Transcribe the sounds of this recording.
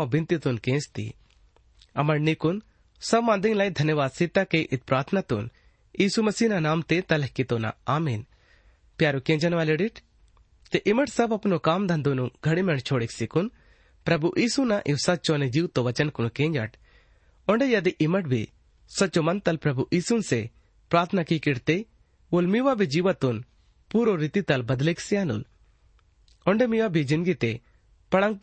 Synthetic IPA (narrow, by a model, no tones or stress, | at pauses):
ãbɪ̃nt̪it̪unkẽːst̪ḭ | ɐmɐɽnikun | sɐbmãːnd̪iŋlajd̪ʱɐnjəʋaːd̪sɪt̪ːakeʔɪt̪̚pɾaːɾt̪ʰnat̪un | iːsumɐsiːnanaːmt̪et̪ɐləɦkit̪oːna̰aːmiːn | pjaːɾukẽːɲd͡ʒɐnʋaːleɖiʈʰ | t̪eʔɪməʈʰsɐbɐpnokaːmd̪ʱɐ̃nd̪onuɡʱɐɽimeɳt͡ʃʰoːɽiksɪkun | pɾɐbuʔiːsunaʔiwsɐtːt͡ʃoned͡ʒiwt̪oʋɐt͡ʃənkunkẽːɲd͡ʒa̰ʈ | ɔɳɖejɐd̪iʔɪməʈ̚bʱḭ | sɐt͡ʃomɐnt̪ɐlpɾɐbuʔiːsunse | pɾaːɾt̪ʰənakikiɽt̪e | olmiʋabʱid͡ʒiʋət̪un | puɾoɾit̪it̪ɐlbɐd̪liksiaːnṵl | ɔ̃ɳɖemiʋabʱid͡ʒɪ̃nd̪ɡit̪e | pɐɽə̃ŋɡ